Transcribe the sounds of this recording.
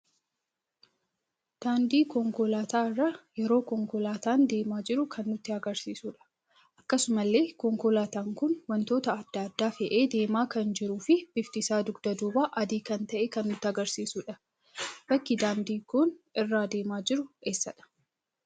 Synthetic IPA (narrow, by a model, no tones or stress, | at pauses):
d̪̥aːnd̪iːkɔŋkɔlaːt̪aːɪrːɐjɛɾo̞ːkɔŋkɔlaːt̪aːnd̪e̞ːmaːd͡ʒɪɾʊkʰɐnːʊt̪ːɪɐɡɐɾsiːsuːᶑɐ̥ | ʔɐkːɐsʊmɐlːe̞ːkɔŋkɔlaːt̪aːŋkʊnwɐnt̪o̞ːt̪ɐːd̪̥ːaːd̪ːaːfɛʔe̞ːd̪e̞ːmaːkɐnd͡ʒɪɾuːfɪb̥ɪft̪ɪsaːd̪ʊɡd̪ɐd̪uːbaːʔɐd̪iːkɐnt̪ɐʔekɐnːʊt̪ːɪɐɡɐɾsiːsuːᶑɐ | bɐkːɪd̪aːnd̪iːkʊnɪrːaːd̪e̞ːmaːd͡ʒɪɾʊʔeːsːɐᶑɐ̥